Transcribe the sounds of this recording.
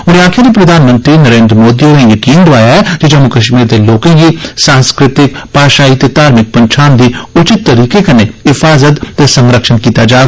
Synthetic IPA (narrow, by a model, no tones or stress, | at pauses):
ʊɾeaːkʰɪɾepɾɐd̪ʱaːnmə̃nt̪ɾinɐɾẽːnd̪ɾəmoːd̪ionejɐkiːnd̪oaːjaɦɛd͡ʒid͡ʒɐmːukɐʃmiːɾd̪eloːkẽɦisãːnskɾɪt̪ɪkpaːʃaːit̪et̪aːɾmɪk̚pɐ̃nt͡ʃʰaːnd̪ʱiʊt͡ʃɪt̪ːɐɾiːkekɐneɦɪfaːzət̪t̪esɐ̃ŋɾəkʃənkiːt̪ad͡ʒaː